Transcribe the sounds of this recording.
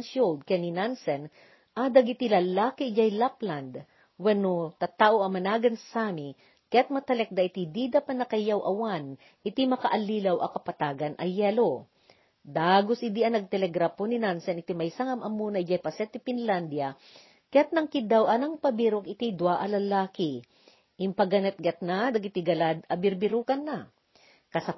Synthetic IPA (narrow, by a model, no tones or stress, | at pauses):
nʃold̪̚kɐaninansɛn | ʔad̪ɐɡɪt̪ilɐlaːkɪd͡ʒajlapland̪ | wɛnot̪ɐt̪aʔoʔɐmɐnaːɡɐnsami | kɐjat̪̚mɐt̪ɐlɛk̚d̪ɐʔɪt̪id̪id̪apɐt̪nɐkɐjawʔɐwan | ʔɪt̪imɐkɐʔɐliːlɐwʔɐkɐpɐt̪aːɡɐnʔɐ̰jɛlo | d̪aːɡosʔɪd̪iʔɐnɐɡ̚t̪ɛlɛɡɾaponinansɛnɪt̪imɐjsaŋɐmʔɐmunɐjd͡ʒɛpɐsɛt̪ːɪfɪnland̪jɐ | kɐjat̪̚nɐŋkɪd̪awʔɐnɐŋpɐbiɾokɪt̪id̪waʔɐlɐlaːkɪ | ʔɪmpɐɡɐnɛt̪̚ɡɐt̪̚nad̪ɐɡɪt̪iɡɐlad̪ɐbɪɾbɪɾuːkɐnːɐ | kɐsɐ